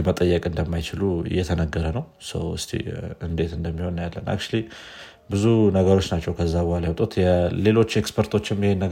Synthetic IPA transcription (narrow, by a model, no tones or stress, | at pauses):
mət̪ʼəjːəkʼɨnd̪əmːajt͡ʃɪluɨ̰jːɛt̪ʰənəɡːəɾənəw | sə̰wɨ̰st̪ʰḭɨnd̪e̞t̪ɨnd̪əmːiho̞nːjalːə̰na̰k̚t͡ʃli | bɨzunəɡəɾo̞t͡ʃːnat͡ʃːɛwkʰəzːabɔhalajawt̪ʼut̪jɛle̞lo̞t͡ʃːekspʰəɾt̪ʰo̞t͡ʃːɪmːihenə